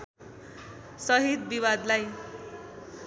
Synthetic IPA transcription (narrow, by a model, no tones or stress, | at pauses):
sʌɦit̪biwad̪laj